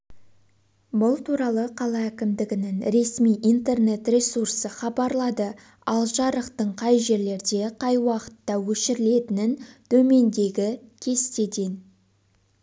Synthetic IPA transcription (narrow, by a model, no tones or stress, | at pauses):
bʊlˠt̪ʰuɾɑlˠəqʰɑlˠɑːkʲɪmd̪ɪɡʲɪnɪŋɾe̞smijʔijnt̪e̞rne̞t̪rʲe̞sursəχɑbɑɾlˠɑd̪ə | ɑ̰lˠʒɑɾəqt̪əɴqʰɑjʒe̞ɾle̞ɾd̪e̞qʰɑjwɑqə̥t̪ːɑwɵʃɪɾɪle̞t̪ɪnɪnt̪ʰɵme̞nd̪e̞ɡʲɪkʲʰe̞st̪e̞t̪e̞n